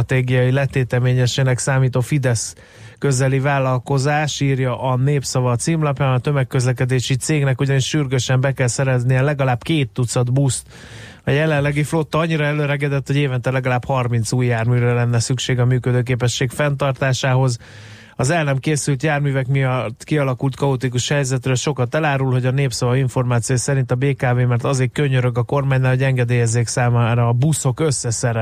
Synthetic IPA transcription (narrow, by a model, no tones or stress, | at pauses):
t̪eːɡijɒjilɛt̪eːt̪ɛmeːɲɛʃeːnɛksaːmiːt̪oːfid̪ɛs | køzɛlivaːlːɒlko̞zaːʃiːrjɒʔɒneːpsɒvɒt̪siːmlɒpjaːnɒt̪ø̞mɛkːøzlɛk̬ɛd̪eːʃit̪seːɡnɛkuɟɒniʃʃyrɡøʃɛmbɛkɛlsɛɾɛznijɛlɛɡɒlaːbkeːt̪ːut̪sɒd̪bust̪ | ɒjɛlɛllːɛɡiflo̞t̪ːɒɒɲːiɾɒɛløːɾɛɡɛd̪ɛt̪ho̞ɟeːvɛnt̪ɛlɛɡɒlaːbhɒrmint̪suːjːaːrmyːɾɛlɛnːɛsykʃeːɡɒmyːkød̪øːk̬eːpɛʃːeːkfɛnt̪ɒrt̪aːʃaːɦo̞z | ɒzɛlnɛmkeːsylt̪jaːrmyːvɛkmijɒt̪ːkiɒlɒkult̪kɒot̪ikuʃhɛjzɛt̪rɛlʃo̞kɒt̪ɛlaːɾulho̞ɟɒneːpsɒvɒiɱfo̞rmaːt̪sijojsɛɾint̪ɒbeːkaːveːmɛrt̪ɒzeːkkøɲøɾøɡɒko̞rmaːɲnːaːlhoɟɛŋɡɛd̪eːjɛzːeːksaːmaːɾɒːbuso̞kø̞sːɛsɛɾɛ